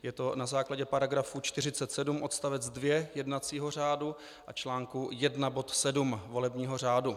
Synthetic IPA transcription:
jɛt̪o̞nazaːklaɟɛpaɾaɡɾafut͡ʃt̪ɪr̝ɪtt͡sɛt̪sɛdumʔo̞t̪st̪avɛd͡zdvjɛjɛdnat͡siːɦo̞r̝aːdu | ʔat͡ʃlaːŋkujɛdnabo̞t̪sɛdumvo̞lɛbɲiːɦo̞r̝aːdu

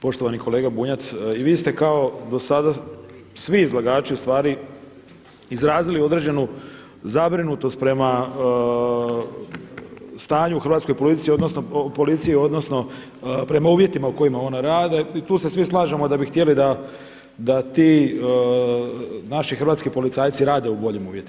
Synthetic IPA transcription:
po̞ʃt̪o̞ʋaniko̞le̞ːɡabuːɲat̪siʋiːst̪e̞kao̞d̪o̞sad̪asʋiːzlˠaɡaːt͡ʃiust̪ʋaːɾi | izɾaːzilio̞d̪ɾe̞ːd͡ʑe̞nu | zabɾinut̪o̞st̪̚pɾe̞ma | st̪aːɲuxr̩ʋat̪sko̞jpo̞lit̪sijio̞d̪no̞sno̞po̞lit̪sijiod̪no̞sno̞ | pɾe̞mauːʋje̞t̪imauko̞imao̞naɾaːd̪eit̪uːse̞sʋislˠaːʒemo̞d̪abixt̪jelid̪a | d̪at̪i | naʃixr̩ʋaːt̪skipo̞lit̪saːjt̪siɾaːd̪e̞ubo̞ʎemuːʋje̞t̪ia

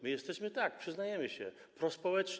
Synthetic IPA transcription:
mɘjɛst̪ɛɕmɘt̪ak̚pʂɘznajɛmɘɕɛ̰ | pɾɔspɔwɛt͡ʂ

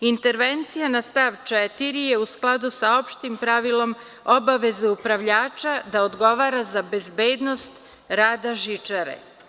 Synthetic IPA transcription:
int̪e̞ɾʋent̪sijanast̪aːʋt͡ʃet̪iɾije̞usklˠad̪usao̞pʃt̪impɾaʋilo̞m | o̞baʋe̞zeupɾaʋʎaːt͡ʃad̪aod̪ɡo̞ʋaːɾazabe̞zbeːd̪no̞st̪ | ɾaːd̪aʒit͡ʃaɾḛ

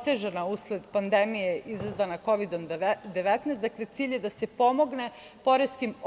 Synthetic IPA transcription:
t̪e̞ʒanausled̪pand̪emijeʔizazʋanako̞ʋid̪o̞md̪eʋet̪nasd̪akle̞t̪siːʎjed̪ase̞po̞mo̞ɡne̞ | po̞ɾeskim

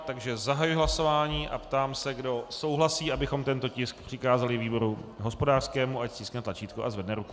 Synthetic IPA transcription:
t̪aɡʒɛzaɦajujɪɦlaso̞vaːɲiːʔa̰pt̪aːmsɛɡdo̞so̞wɦlasiːʔabɪxo̞mt̪ɛnt̪o̞cɪskpr̝̥ɪkaːzalɪviːbo̞ɾuɦo̞spodaːr̥skɛːmuʔacz̥iːsknɛt̪lat͡ʃiːt̪koʔazvɛdnɛɾuku̥

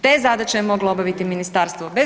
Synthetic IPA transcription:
t̪eːzad̪at͡ʃejemo̞ɡlaobaʋit̪iminist̪aːɾst̪ʋobe

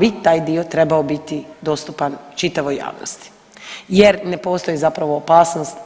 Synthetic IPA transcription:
bit̪aːjd̪io̞t̪ɾe̞baobit̪id̪o̞st̪upant͡ʃit̪aʋoja̰ːʋno̰st̪i̥ | je̞ɾne̞po̞ːst̪o̞jizapɾaʋo̞ːpaːsnost̪

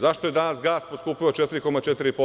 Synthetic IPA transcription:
zaʃt̪o̞je̞d̪anasɡaːsposkuːpiot͡ʃet̪iɾiko̞mat͡ʃet̪iɾipo

